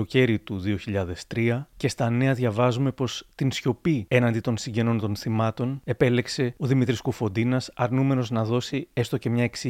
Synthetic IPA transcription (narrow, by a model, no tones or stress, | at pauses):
oce̞ɾit̪uðio̞çiʎɐðe̞st̪ɾiɐce̞st̪ɐne̞ɐðʝɐvɐzume̞po̞st̪insço̞pie̞nɐnd̪it̪o̞nsiɲɟe̞no̞nt̪o̞nθimɐt̪o̞ne̞pe̞le̞kse̞oðimit̪ɾiskufo̞d̪inɐsɐɾnume̞no̞znɐðo̞sie̞st̪o̞ce̞mɲɐeksi